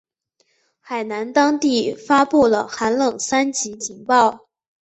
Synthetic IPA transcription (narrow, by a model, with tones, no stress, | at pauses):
xa˨˩ɪna˧˥nt̪ɑ˥ŋt̪i˥˩fa˥pu˥˩lə˩xa˧˥nlɤ˨˩ŋsa˥nt͡ɕi˧˥t͡ɕʰi˧˥ŋpɑ˥˩ʊ